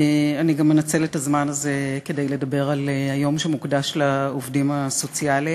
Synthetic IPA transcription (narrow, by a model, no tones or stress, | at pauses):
aniɡamːenat͡se̞letazmanaze̞ke̞de̞jledɐbe̞ʁalhajo̞mʃemukdaʃlaovdimaso̞t͡siali